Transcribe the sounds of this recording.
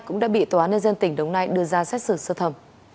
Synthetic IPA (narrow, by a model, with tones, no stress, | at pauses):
kʊ̰˧˥ŋ͡mɗa̰ː˧˥ɓḭ˧˨t̪waː˨˦nə˧jzə˧nt̪ï˧˩ŋ̟ɗə˨˦wŋ͡mnaː˧jɗɨ˧əzaː˧sɛ˦˥t̚sɨ˧˩sɨ˧t̪ʰə˧˩m